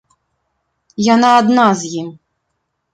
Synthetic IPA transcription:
janaːd̪nazʲjim

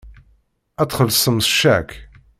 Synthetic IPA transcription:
æt͡sːχəlsˤəmsʃæ̰k

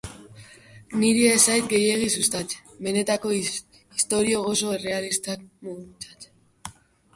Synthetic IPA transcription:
niɾiesajt̪ɡe̞je̞ɣ̞isust̪at͡sbe̞ne̞t̪ako̞ | ist̪o̞ɾio̞ɣ̞o̞so̞e̞re̞alist̪akmuɣut͡sḁt͡s

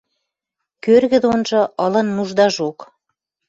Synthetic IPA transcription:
kørɣə̆d̪onʒɤ̆ələ̆nmuʒd̪ɑʒok

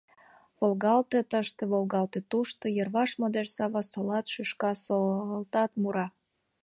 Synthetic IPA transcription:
βolɣɑlt̪et̪əʃt̪ĕβolɣɑlt̪et̪uʃt̪ejərβɑʃmod̪eʃsɑβɑsolɑt̪ʃyʃkɑsoəlt̪ɑt̪muɾɑ

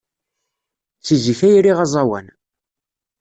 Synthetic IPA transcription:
t͡sːizifæjɾiʁɑzˤɑwæ̰n

